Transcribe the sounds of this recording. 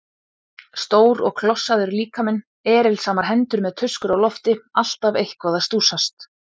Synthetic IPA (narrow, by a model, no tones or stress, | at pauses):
st̪oːwɾɔɣkʰlɔsːaðʏɾliːkamɛnː | ɛːɾɪlsaːmaɾ̥ɦɛnt̪ʏɾmɛðt̪ʰʏskʏɾawlɔft̪ɪal̥t̪avejhkvaːðast̪uːsast̪